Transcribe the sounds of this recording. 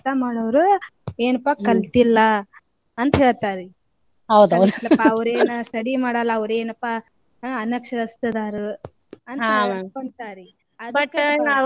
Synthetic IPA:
t̪amaːɽɐʋɐɾueːnɐpːakɐlt̪ilːɐ | ɐnt̪ɐɦeːɭt̪aːɾi | ɐwd̪ɐwelːɐpːɐɐʋɐɾeːnɐsʈɐɽimaːɽɐlːɐːʋɐɾueːnɐpːa | ɐnɐkʂɐɾɐst̪ɐd̪aːɾu | ɐnakoɳt̪aːɾi | ɐd̪ɐ

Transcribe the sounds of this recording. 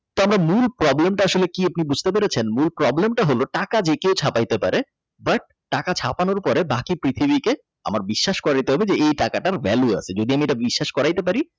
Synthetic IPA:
t̪oamɾamulpɾɔblemʈaaʃolekiap̚nibud͡ʑʱt̪ep̬eɾet͡ɕʰenmulpɾɔblemʈaɦoloʈakad͡ʑekewt͡ɕʰapajt̪epaɾe | bɐʈ̚ːakat͡ɕʰa̰panoɾpɔɾebakipɾit̪ʰibike | a̰maɾbiʃːaʃkɔɾaɽit̪eɦɔbed͡ʑeejʈakaʈaɾvɛlua̰sʰed͡ʑod̪iamieʈabiʃːaʃkɔɾajt̪epaɾi

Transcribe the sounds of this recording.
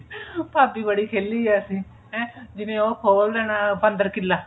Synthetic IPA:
paːpiːbəɽiːkʰeːlːiːɛːsĩː | ɦɛ̃ːd͡ʒɪnẽːoːkʰoːld̪ɛːnaːpənd̪əɾkɪlːaː

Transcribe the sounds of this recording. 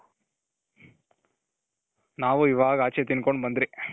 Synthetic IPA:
naːʋuiʋaːɡɐaːt͡ʃeːt̪inkoɳɖbɐnd̪ɾi

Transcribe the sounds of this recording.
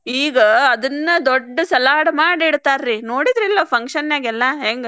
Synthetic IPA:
iːɡɐːd̪ɐnːɐd̪oɖːɐsɐlaːɽɐmaːɽiɽt̪aːɾɾinoːɽid̪ɾilːɐpʰɐŋkʂɐnjaːɡɛlːɐɦeːŋɡe

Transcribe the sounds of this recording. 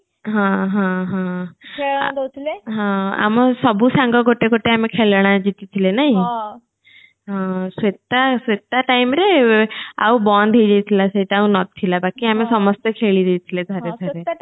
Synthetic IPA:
ɦãɦãɦã | d̪t̪ʰleɦãa̰məsɔbusãŋɡɔɡoʈekoʈeamekʰelɽ̃ad͡ʑit̪it̪ʰilenaɦĩ | ɦãset̪asʋet̪aʈaimɾe | a̰wbɔnd̪ʱejd͡ʒejt̪ʰilaseiʈaawnɔt̪ʰːilabakiamesɔmɔst̪ekʰeɭid̪ejt̪ʰiled̪ʱəɾdeəɾe

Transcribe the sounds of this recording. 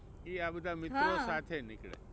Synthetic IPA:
iaːbəd̪ʱamɪt̪ɾosat̪ʰenɪkɭḛ

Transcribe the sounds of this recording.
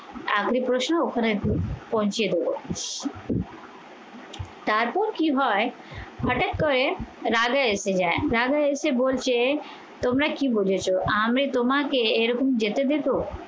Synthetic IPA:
aːkʰɾipɾoːʃnʊkʰɾepɔɦʊ̃ɲt͡ʃed̪oːɡo̰ | t̪aːɾpoːɾkiɦɔː | pɐʈək̚kəɾeɾaːɡaeːsed͡ʒaːẽɾaːɡaeːseboːlt͡ʃe | t̪ʊmɾakĩbod͡ʒet͡ʃʰoʔaːmɾet̪ʊmãkeeɾəkəmd͡ʒet̪ed̪eːt̪oː

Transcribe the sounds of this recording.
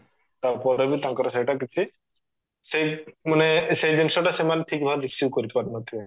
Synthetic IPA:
t̪aɾpɔɾebit̪aŋkɔɾesejʈakit͡ʃʰi | sejmanesejd̪insɔʈasemaneʈʰik̚bʱad̪iksiukoɾit̪epaɾimad̪ʱe

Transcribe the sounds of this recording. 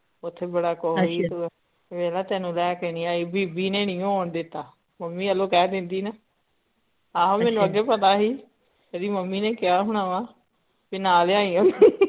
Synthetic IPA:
ʊt̪ʰːeːbəɽaːkɔːiːt̪ː | ʋɛːlaːt̪ɛːnũːlɛːkɛːniːaːeːbiːbiːneːnɪjõːoːɳd̪ɪt̪ːaː | məmːiːəloːkɛːd̪ɪnd̪iːnə | aːɦãːmɛ̃ːnũəɡɛːpət̪̬aːɦiː | əd̪iːməmːiːneːkɪjaːɦʊɳ̃ãːʋãː | binaːleaːiːãː

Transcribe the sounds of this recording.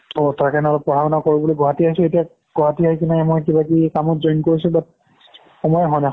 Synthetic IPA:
otakanɔlɔk̚pɔɹ̤ʰʱabɔnakoɹibɔloɡɔɦatiaɦisʊetia | ɡ̥ɔɦatiɦɔjkinɛɛmɔjkibakikamɔtzojnkoɹisubat̚ | xɔmɔjɔɦɔjnɛ

